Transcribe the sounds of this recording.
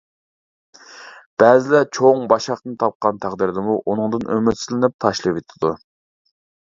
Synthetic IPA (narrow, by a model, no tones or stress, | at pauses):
b̥ɛzɪlɛt͡ʃʰoŋbɑʃɑχt̪ɨnt̪ʰɑp̚qɑnt̪ʰæʁd̪ɪɾd̪ɪmuʔunɨŋd̪ɨnømyt̪sɪzlɪnɪp̚t̪ʰɑʃlˠɨvet̪ʰɪ̥d̪u